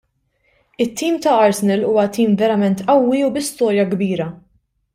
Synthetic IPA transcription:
ɪt̪ʰːiːmt̪ɐɐɾsɪnɛlṵːwɐt̪iːmvɛɾɐmɛnt̪ɐwːiubɪst̪ɔːɾjɐɡbiːɾɐ

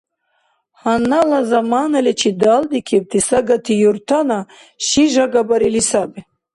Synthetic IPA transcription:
hanːalazamanalɛt͡ʃʰid̪ald̪ikʰib̚t̪ʰisaɡat̪ʰijuɾt̪ʰana | ʃiʒaɡabaɾilisabi

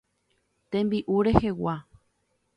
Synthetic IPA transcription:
t̪ẽ̞mbiʔuɾe̞he̞wa

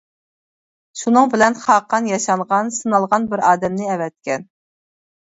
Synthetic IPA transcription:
ʃunɨŋbɪlɛnχɑqʰːɑnjɑʃɑɴʁɑnsɨnɑlˠʁɑnbɪɾɑːd̪ɛmnɪɛvɛt̪̚kʲɛn

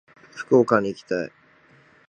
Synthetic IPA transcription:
ɸɯ̥koːkãɲ̟ːiːkʲi̥t̪ai

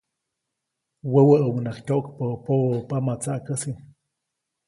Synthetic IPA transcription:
wəwəʔəmnaχtʲoʔkpəpoəpamat͡saʔkəsi

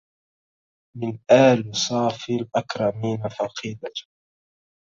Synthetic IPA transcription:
mɪnʔaːlsˤɑːfiːlʔakɾˤɑmiːnafɑqʰiːd̪a

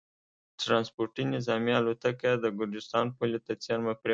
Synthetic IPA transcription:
ʈɾɑnspoɾʈinɪzɑmialot̪akad̪əɡʊɾd͡ʒɪst̪ɑnpulit̪at͡seɾmapɾe

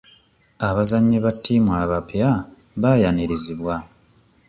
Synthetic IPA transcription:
aβazaɲːeβatʰːiːmwaːβapja | βaːjaneɾeziβwa

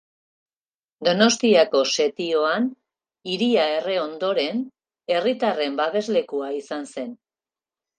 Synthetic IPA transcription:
d̪o̞no̞st̪iako̞se̞t̪io̞an | iɾiae̞re̞o̞nd̪o̞ɾe̞n | e̞rit̪are̞mbaβe̞zle̞kuaisanse̞n

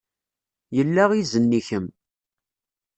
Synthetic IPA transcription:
jəlːaʁizənːiçəm

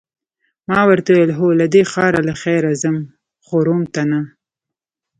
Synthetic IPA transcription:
mɑwaɾt̪awejelɦolad̪exɑɾalaxɛjɾazam | χoɾomt̪ana

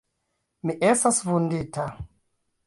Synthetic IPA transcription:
miʔestasvundita

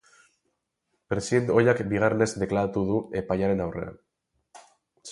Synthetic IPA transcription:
pɾe̞siðe̞nt̪ojakbiɣ̞arene̞zd̪e̞klaɾat̪uðue̞pajaɾe̞nawre̞̰a̰n

